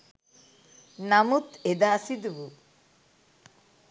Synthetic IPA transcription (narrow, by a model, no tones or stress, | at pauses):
namut̪ed̪asid̪ubu